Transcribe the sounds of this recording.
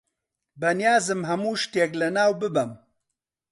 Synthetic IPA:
bɐnjaːzɨmɦɐmuːʃt̪eːklɐnaːwbɨbɐm

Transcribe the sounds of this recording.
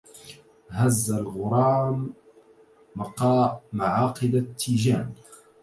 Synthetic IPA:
hazːalɣʊɾˤɑːm | ɑqɑːmaʕɑːqɨd̪at̪ʰːiːd͡ʒaːn

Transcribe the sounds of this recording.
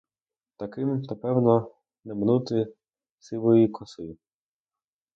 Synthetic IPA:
t̪ɐkɪmnɐpɛwnɔ | nɛmnut̪ɪ | sɪʋɔjikʰɔsɪ

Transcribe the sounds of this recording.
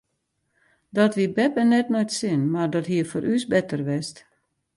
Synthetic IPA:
dɔtʋibɛpənɛtnojtsɪnmardɔtɦiəfoɾʔysbɛtərʋɛst

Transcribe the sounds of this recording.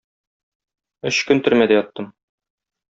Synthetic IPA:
ɵɕkɵnt̪ɵɾmæd̪ɘjɒt̪ːɤm

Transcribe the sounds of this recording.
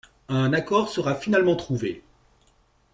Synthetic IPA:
ɛ̃nakɔʁsəʁafinalmɑ̃t̪χuve

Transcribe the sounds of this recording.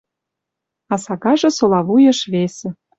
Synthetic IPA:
ɑsɑɣɑʒɤ̆solɑβujɤ̆ʃβesĕ

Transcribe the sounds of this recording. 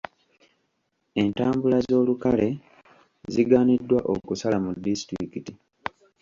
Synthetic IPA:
e̞ntaːmbulazo̞ːlukale̞ | ziɡaːnidːwaʔo̰kusalamudːistɾikiti

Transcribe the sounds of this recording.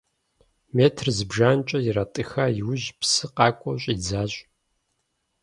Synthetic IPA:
meːtʰrzɨbʒaːnt͡ʃʼɐjɪɾatʼɨxaːjɪwʑpsɨqɑːkʷʼɔɕʷʼiːd͡zaːɕʷʼ

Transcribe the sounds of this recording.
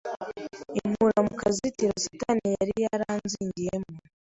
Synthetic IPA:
imuɾamukʰazitiɾasutanijaɾijaɾaːnziːɲɟijemu

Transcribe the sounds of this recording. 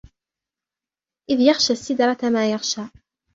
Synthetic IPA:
ʔɪðjaxʃasːɪd̪ɾˤɑt̪amaːjaxʃaː

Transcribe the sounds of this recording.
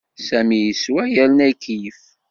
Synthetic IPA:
sæmijəswæjælənækːif

